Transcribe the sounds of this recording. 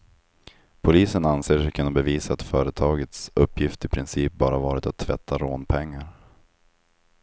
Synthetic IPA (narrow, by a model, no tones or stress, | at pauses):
pʰʊliːsənanseːʂɛkʰɵnabɛviːsaːt̪fœːɾət̪ʰɑːɡət̪sɵpːjɪft̪ɪpʰɾɪnsiːp̚bɑːɾavɑːɾɪt̪at̪ʰːvɛ̰t̪ʰːaɾoːnpʰɛŋːaɾ